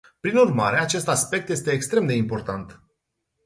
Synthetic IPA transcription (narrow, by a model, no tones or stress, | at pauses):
pɾinurma̰ɾe̞at͡ʃe̞st̪aspe̞k̚t̪je̞s̬t̪e̞ːkst̪ɾe̞md̪e̞impo̞rt̪ant̪